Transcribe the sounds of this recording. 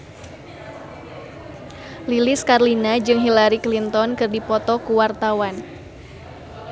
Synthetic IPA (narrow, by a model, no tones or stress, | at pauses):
lilɪskarlinad͡ʒɨŋɦilaɾiklint̪ɔnkɨrdipɔt̪ɔkuwart̪awan